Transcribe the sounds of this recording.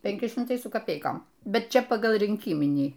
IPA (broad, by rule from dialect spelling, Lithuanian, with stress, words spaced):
pʲɛŋʲˈkʲɪ ʃʲɪmˈtɐɪ sʊ kɐˈpʲɛɪkoːm ˈbʲɛt ˈt͡ʃʲɛ ˈpɑːɡɐlˠ rʲiːŋʲˈkʲiːmʲɪnʲiː